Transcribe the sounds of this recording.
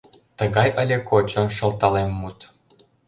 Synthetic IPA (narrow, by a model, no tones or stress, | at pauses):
t̪ɤ̆ɡɑjə̆lʲekʰot͡ɕɤ̆ʃɤ̆lˠt̪ɑlˠemːut̪